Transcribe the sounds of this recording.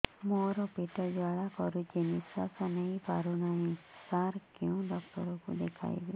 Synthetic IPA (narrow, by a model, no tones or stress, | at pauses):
moɾɔpiʈɔld̪ʋaɭakɔɾud͡ʒenisasɔnəĩpaɾunaɦĩsaɾkũũɖɔk̚ʈɔɾɔkṵd̪ekʰa̰jbḭ